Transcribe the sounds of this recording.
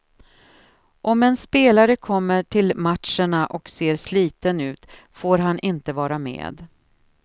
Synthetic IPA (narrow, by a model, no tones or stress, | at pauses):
ʔɔmɛnspeːlaɾəkʰɔmːəʈʰɪlmat̪ʂəɳaʔɔkseːɾsliːt̪ənʉ̟ːt̪ | foːɾɦanʔɪnt̪əvɑːɾamḛːd̪